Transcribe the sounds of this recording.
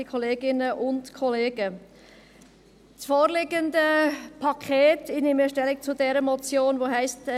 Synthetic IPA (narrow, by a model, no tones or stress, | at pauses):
ikʰɔleːɡɪnəʔʊntkʰɔleːɡ̥ə | t͡sfoːɾlɪɡəndəpʰɑkʰeːtɪnɪməʃtɛlɪk̚t͡sʊdɛɾəmɔt͡sjoːnʋoːɦɛɪst